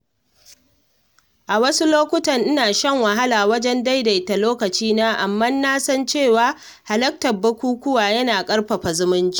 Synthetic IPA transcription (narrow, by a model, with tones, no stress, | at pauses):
ʔa˨wɐ˦su˦loː˦kʷʊ˦tɐ˨ŋʔɪ˦naː˨ʃɛ˦˨ŋwɐ˨ɦa˦laː˨wɐ˦d͡ʒɛ˦nda˦jda˨jta˨loː˦kɐ˨t͡ʃiː˦naː˦ʔa˨mːɐ˦nːaː˦sɐ˦nt͡ʃeː˦˨waː˦ | ha˨lɐ˦k̚tɐ˨bɐ˦kʷuː˦kʷʊ˦waː˨jɐ˦naː˨kʼɐ˦rɸɐ˨ɸa˨zʊ˦mʊ˦nd͡ʒi˦ʔ